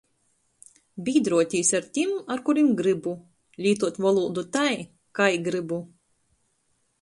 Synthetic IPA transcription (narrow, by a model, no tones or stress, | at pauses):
bʲiːd̪ɾuɔt̪ʲiːsaɾt̪ʲimaɾkuɾimɡɾɨbu | lʲiːt̪uɔt̪vɔlˠuːd̪ut̪aj | kajɡɾɨbu